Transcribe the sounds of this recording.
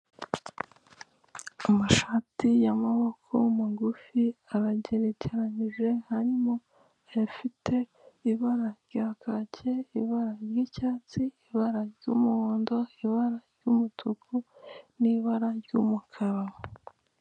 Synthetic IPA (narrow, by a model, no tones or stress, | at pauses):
amaʃaːtijamaβo̞kʰomuɡufiaɾaɟe̞ɾe̞ceɾaɲiʒe̞haɾimo̞ | jafitʰe̞iβaɾaɾɟaːkʰacʰe̞iβaɾaɾjiːcaːt͡siːβaɾaɾɟuːmuoːndo̞iβaɾaɾɟumutʰukʰuniβaɾaɾɟumukʰaɾaβo